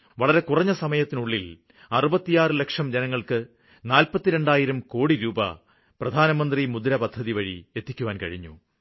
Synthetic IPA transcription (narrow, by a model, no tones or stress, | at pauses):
ʋɐɭɐɾe̞kurɐɲːɐsɐmɐjɐt̪ːinuɭːil | ɐrubɐt̪ːijaːrɨle̞kʂɐmd͡ʑenɐŋːɐɭkɨ | naːlpɐt̪ːiɾe̞ɳɖaːjiɾɐmko̞ːɽiɾuːbɐ̰ | prɐd̪ʱaːnɐmɐnd̪rimud̪ɾɐpɐd̪ʱːɐðiʋɐɻḭe̞t̪ːikʲːuʋaːnkɐ̰ɻiɲːṵ